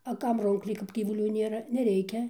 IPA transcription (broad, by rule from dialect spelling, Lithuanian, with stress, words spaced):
ɐ ˈkɐm ˈruːŋklʲɛɪ kɐp ɡʲiːʋʊˈlʲuː ˈnʲeːrɐ nʲɛˈrʲɛɪkʲɛ